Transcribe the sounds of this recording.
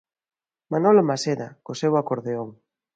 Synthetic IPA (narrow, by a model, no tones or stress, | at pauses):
manolomaseðakosewakoɾðeoŋ